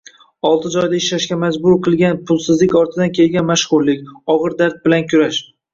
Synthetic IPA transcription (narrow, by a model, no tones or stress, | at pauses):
ɒlˠt̪ʰɪd͡ʒɒjd̪aɪʃlaʃkʲamad͡ʒbʊɾqʰɨlˠɡʲanpʰʊlˠsɪzlɪkʲɒɾt̪ʰɪd̪ankʲʰe̞lɡʲanmaʃχʊɾlɪkʲɒʁɨɾd̪aɾt̪̚bɪlankʲʰʊɾaʃ